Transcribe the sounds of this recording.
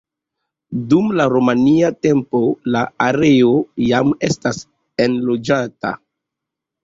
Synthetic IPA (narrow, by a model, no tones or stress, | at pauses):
dumlaɾomaniate̞mpo̞laaɾe̞o̞jame̞̰stas | e̞nlo̞d͡ʒata̰